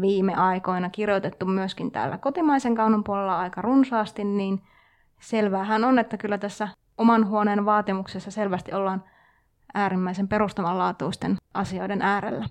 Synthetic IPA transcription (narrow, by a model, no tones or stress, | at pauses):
ʋiːmːeʔɑikoinɑkirjot̪et̪ːummyøskint̪æ̰ːlːæ̰kot̪imɑiseŋkɑunompuolelːɑɑijkɑrunsɑːst̪inniːn | selʋæːɦænonet̪ːækylːæt̪æsːæ | omɑnɦuoneːnʋɑːt̪imuksesːɑselʋæst̪iolːɑːn | æːɾimːæisempeɾust̪ɑmɑllɑːt̪uist̪enʔɑsio̞idenʔæːɾḛlːæ